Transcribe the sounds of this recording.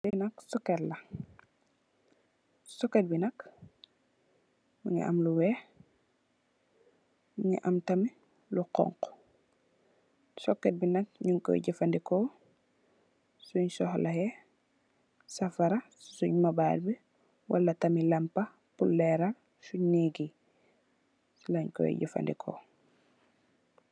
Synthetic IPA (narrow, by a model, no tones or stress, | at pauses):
sinɐksɔkɛtlɐ | sɔkːɛt̚binɐk | muŋḭʔɐ̰mluwɛː | mŋḭʔɐmtɐmi | luqɔ̰ŋq | sɔkːɛt̚binɐk̚ɲuŋkɔ̰ɟɛfɐndikɔ | suɲsɔhlɐhɛ | sɐfaɾɐssuɲmabaːlbi | wa̰lːɐtɐmilɐmpɐ | pulːɛɾal | suɲniɡi | sulaɲkɔ̰j̰ɟifa̰ndikʰɔ̰